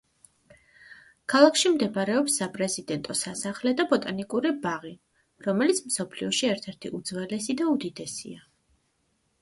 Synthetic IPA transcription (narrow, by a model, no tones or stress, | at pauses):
kʰalˠakʰʃimd̪ɛpʼaɾɛɔpsːapʼɾɛzid̪ɛnt̪ʼɔsasaχlɛd̪abɔt̪ʼanikʼuɾibaʁi | ɾɔmɛlit̪sʰm̩sɔpʰliɔʃiɛɾt̪ʰɛɾt̪ʰiʔud̪zvɛlɛsid̪aud̪id̪ɛsḭa